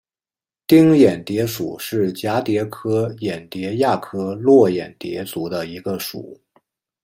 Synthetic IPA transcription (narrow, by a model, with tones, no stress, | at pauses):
t̪i˥ŋjɛ˨˩nt̪jɛ˧˥ʂu˨˩˦ʂɻ̩˥˩t͡ɕja˧˥t̪jɛ˧˥kʰɤ˥jɛ˨˩nt̪jɛ˧˥ja˥˩kʰɤ˥lwɔ˥˩jɛ˨˩nt̪jɛ̰˧˥t͡su˧˥d̪ə˧i˧˥ɡə˧ʂṵ˨˩˦